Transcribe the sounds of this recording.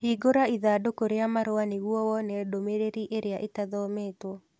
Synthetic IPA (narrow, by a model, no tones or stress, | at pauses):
hiɡoɾaiðadokoɾeamaɾoaniɣwɔwɔnɛdomeɾeɾiʔeɾeaʔetaðɔmeːtwɔ